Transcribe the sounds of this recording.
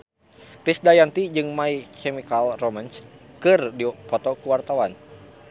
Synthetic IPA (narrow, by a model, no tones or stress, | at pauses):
t̪isdajant̪id͡ʒɨŋmaikʰɛmikalromans | kɨrdipɔt̪ɔkuwart̪awan